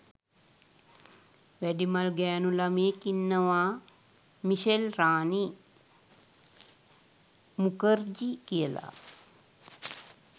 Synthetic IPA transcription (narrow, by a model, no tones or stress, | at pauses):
ʋæɖimalɡɛːnulameːkinːəʋa | miʃelɾaːni | mukəɾd͡ʒikijəla̰